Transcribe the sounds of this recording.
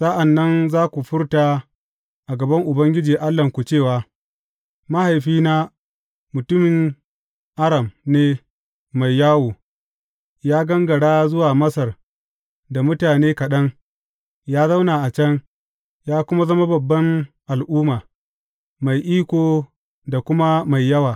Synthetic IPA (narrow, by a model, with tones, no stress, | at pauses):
sɐ˦ʔa˨nːɐ˦nzaː˦kʷu˨ɸʊ˦ɽtaː˨ | ʔa˨ɡɐ˨bɐ˦ŋʔʊ˨bɐ˦ŋɡʲɪ˦d͡ʒiː˨ʔa˦lːɐ˨ŋkʷu˨t͡ʃeː˦˨waː˦ | ma˦ha˨jɸiː˦naː˦ | mʊ˨tʊ˦mɪ˨ŋ | ʔa˦ɽɐ˨mneː˦ | ma˨jːaː˦woː˨ | jaː˦ɡɐ˦ŋɡɐ˨ɽaː˦zʊ˦waː˨mɐ˦sɐ˨r | da˨mʊ˦taː˨neː˦kɐ˨ɗɐ˦ŋ | jaː˦za˦wnaː˨ʔa˨t͡ʃɐ˦ŋ | jaː˦kʷʊ˦ma˦zɐ˦ma˦bɐ˨bːɐ˦ŋʔa˨lʔuː˦maː˨ | ma˨jʔiː˦kʷoː˨ | da˨kʷʊ˦ma˦ma˨jːɐ˦waː˨